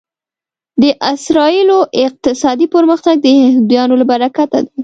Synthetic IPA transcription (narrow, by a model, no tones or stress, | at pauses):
d̪əʔɪsɾɑiloʔɪq̚t̪ɪsɑd̪ipəɾməxt̪aɡ̚d̪əhɪhd̪jɑnolabaɾakat̪ad̪a